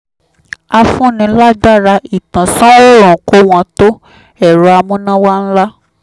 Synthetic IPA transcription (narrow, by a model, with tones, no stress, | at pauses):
a˧fũ˦nĩ˧˦la˦da˦˨ɾa˧i˨tã˨sɔ̃˦ɾo˦ɾɔ̃˨ko˨˦w̃ɔ̃˧˦to˦ | ɛ˦˨ɾo˨˦a˧mũ˦nã˦wa˦n̩˦la˦